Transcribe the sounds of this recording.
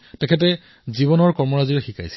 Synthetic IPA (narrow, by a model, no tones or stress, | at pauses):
tɛkʰɛt̬ɛ | ziβɔnɔɹkɔɹmɔɹaziɹɛxika̰js